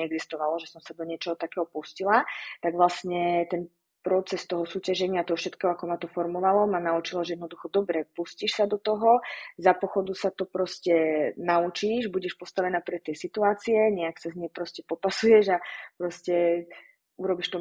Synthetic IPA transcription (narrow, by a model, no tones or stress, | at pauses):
ɛɛɡzist̪ɔʋalɔʒɛsɔmsad̪ɔɲɪɛt͡ʃɔɦɔt̪akɛːɦɔpuscilat̪aɡʋlasɲɛt̪ɛn | pɾɔt͡sɛst̪ɔɦɔsuːcaʒɛɲɪat̪ɔɦɔfʃɛt̪kɛːɦɔakɔmat̪ɔfɔɾmɔʋalɔmanaut͡ʃilɔʒɛjɛd̪nɔd̪uxɔd̪ɔbɾɛpusciʃsad̪ɔt̪ɔɦɔzapɔxɔd̪usat̪ɔpɾɔscɛnaut͡ʃiʒbuɟɛʃpɔst̪aʋɛnaːpɾɛt̪ɪɛsit̪uaːt͡siɛɲɛaksazɲɛpɾɔscɛpɔpasujɛʒapɾɔscɛ | uɾɔbiʃt̪ɔ